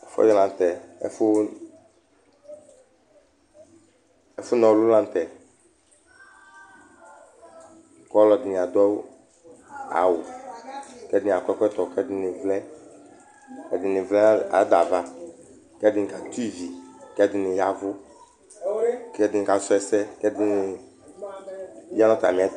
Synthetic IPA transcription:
ɛ˨fɔ̰˦jɔ˦lã˨n˨t̪ɛ˨ɛ̰˦fʊ˦ | ɛ˦fʊ˦nɔ̃˨wlʊ˦lã˨n˨t̪ɛ˨ | kɔ˦lɔ˨dɪ˨n˨a˨d̪ɔ˦w | a̰˨wʊ˨ | kɛ˦dɪ˦n˨a˨kʷɛ˦kʷɛ˦t̪ɔ˨kɛ˦dɪ˨˦nɪ˨vlɛ˦ | ɛ˨dɪ˨nɪ˨vlɛ˦a˨˦d̪a˨va˦ | kɛ˦dɪ˨nɪ˨ka˨t̪i˦vi˨kɛ˦dɪ˨nɪ̃˨ja˦vʊ˦ | kɛ˦dɪ˨n˨ka˨˦sɔ˦ɛ˨sɛ˦kɛ˦dɪ˨˦nɪ˨ | ja˦nɔ̃˦t̪a˨mĩ˨ɛ˦

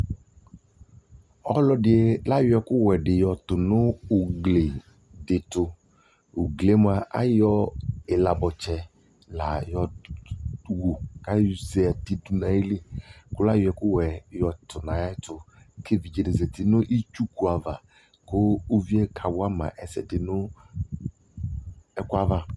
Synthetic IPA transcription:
ɔ˦lɔ˦dɪ˨e˦la˦jʊ˦ɛ˨kʊ˦wɛ˨ɖɪ˨jɔ˨tʊ˨nʊ˦ʊ˨ɡle˨ | dɪ˨tʊ˨ | u˨ɡle˨˦m˨˦a˨ʔa̰˦jɔ˦ɪ˨la˨bɔ˨t͡ʃɛ˨ | la˨jɔ˨ | wo˨ka˦se˦a˨ti˦du˨nã˨e˦le˦kʊ˦la˦jʊ˨˦ɛ˨kʊ˦wɛ˨jɔ˨tʊ˨nã˨ja˦tʊ˨ | kʰe˦vi˨d͡ʒe˨de˨ze˨tɪ˨nʊ˦ʔi˦t͡ʃu˦ku˨a˨va˨ | kʊ˦u˦vi˦ɛ˦kʰa˨wʊ˦a˦mã̰˨ʔɛ˨sɛ̰˨dɪ˨nʊ˦ | ɛ˦kʊ˦a˦va˦

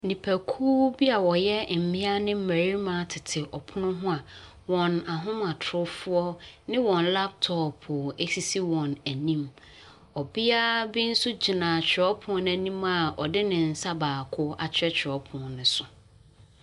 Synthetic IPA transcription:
nĩ˨pʰæ˨kʰuː˦bi˦a˨wɔ˨jɛ˦m̩˨mɪ̃˦a˦nɪ̃˦m̩˦mæ˨ɾi˦mã˨˦˨tʰɪ˨tʰɪ˨ʔɔ˨pʰʊ˦nʊ̃˦ɦʊ̃˦a˨ | wɔ̃˨na˨ɦʊ̃˦ma˨tʰʊ˦fʊ˦ɔ˦nɪ̃˦wɔ̃˨nla˦p̚tʰɔ˨pʰʊ˨e˨si˦si˦wɔ̃˨næ˨nĩ˦m | ɔ˨bi˦a˦bɪ˦n̩˦sʊ˦d͡ʑi˨nã˨t͡ɕᶣɪ˨ɔ˦pʰʊ̃˦næ˨nĩ˦ma˨ɔ̰˨dɪ˦nɪ̃˨n̩˨sa˦baː˨kʰʊ˦a˨t͡ɕʰᶣɛ˦t͡ɕʰᶣɪ˨ɔ˦pʰʊ̃˨nʊ̃˨sʊ˨

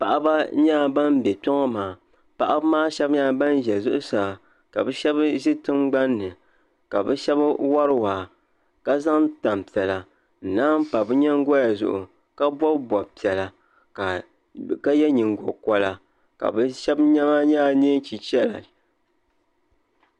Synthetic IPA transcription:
pa˨ʔa˦ba˦ɲaː˦˨ba˦m˦bɛ˨tɔ˦ŋɔ˦maː˨ | pa˨ʔa˦bmaː˦ʃɛ˦bɲa˦˨ba˦n˦ʒɛ˨zʊ˦ʔʊ˦saː˨ | ka˨bɛ˦ʃɛ˦bʒɪ˦tɨ˦mɡ͡ba˦nːɨ˨ | ka˨bɛ˦ʃɛ˦bwa˦ɾɨ˦waː˨ | ka˦za˦ŋta˨m˨pi˨ɛ˨la˨ | n̩˨naː˦m̩˦pa˨bɨ˦ɲɛ˦ŋ˦ɡɔ˦ja˨zʊ̰˨ʔʊ̰˨ | ka˦bɔ˦bbɔ˨bpi˨ɛ˨la˨ | ka˨ | ka˦jɛ˦ɲi˨ŋɡo˨kɔ˦la˨ | ka̰˨bɛ˦ʃɛ˦bɲɛ˦ma˦ɲaː˦˨ne˦n˦t͡ʃi˨t͡ʃɛ˦la̰˨

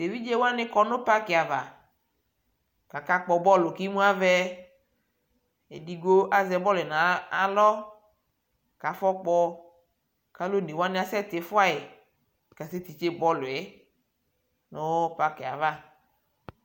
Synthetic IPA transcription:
t̪e˨vi˦d͡ʒe˦wo˦a˦nɪ̃˦kɔ˨nʊ̃˦pa˦kɪ˨a˨va˨ | ka˨ka˦k͡pɔ˨bɔ˦lʊ˨ki˦mũ˦a˦vɛ˦ | ḛ˨di˦ɡo˦ʔa˨zɛ˨bɔ˦lʊ˨ɛ˨nã˨a˨lɔ˦ | ka˨fɔ˦k͡pɔ˦ | ka˦lo˦ni˨wo˦a˦nɪ̃˦a˦sɛ˦t̪e˨fʊ˦a˦e˨ | ka˨se˦t̪i˨t͡ʃe˦bɔ˦lʊ˨ɛ˨ | nʊ˦pa˦kɪ˨a̰˨va˦

